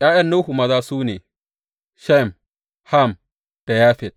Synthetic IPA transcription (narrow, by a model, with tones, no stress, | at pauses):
jaː˦jɐ˦nːo˦hu˨mɐ˨zaː˦suː˦neː˨ | ʃa˦˨m | ha˦˨m | d̥a˨ja˦ɸɛ˨d̚